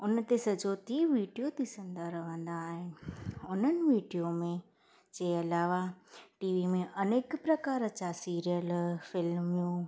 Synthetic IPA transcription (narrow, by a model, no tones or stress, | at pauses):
ʊn̆t̪esɐd͡ʑoːt̪iʋiːɖijot̪ʰisɐ̃nd̪aɾɐʋ̤ə̃nd̪aːɦɪʊn̤ənɪ̆ʋiːɖijomẽ | d͡ʑɐːɐlaːʋaʈiːʋimẽʔɐneːkpɾɐkaːɾət͡ɕasiːɾijəlfɪlmjũː